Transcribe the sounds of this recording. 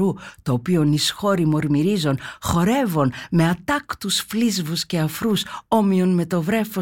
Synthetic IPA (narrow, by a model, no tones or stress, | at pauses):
ut̪o̞ːpio̞nisxo̞ɾimo̞ɾmiɾizo̞nxo̞ɾe̞vo̞nme̞ɐt̪ɐkt̪usflizvusce̞ɐfɾuso̞mio̞nme̞t̪o̞vɾe̞fo